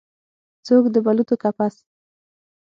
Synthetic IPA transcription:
t͡sokd̪əbalut̪okapas

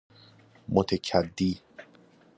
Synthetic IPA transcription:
mot̪ʰecʰæd̪ːiː

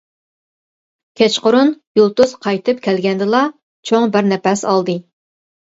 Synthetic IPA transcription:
kʲʰɛt͡ʃqʊɾunjulˠt̪usqʰɑjt̪ʰɨpkʲʰɛlɡʲɛnd̪ɨlˠɑ | t͡ʃʰoŋbɪɾnɛpɛsɑlˠd̪ɨ

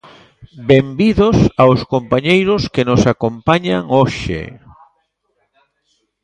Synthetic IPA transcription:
bembiðosawskompaɲejɾʊskenosakompaɲaŋoʃḛ

